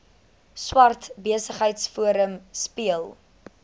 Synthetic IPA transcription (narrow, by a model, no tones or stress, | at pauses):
swɐrtbiəsəχɦəjtsfuəɾəmspiəlˠ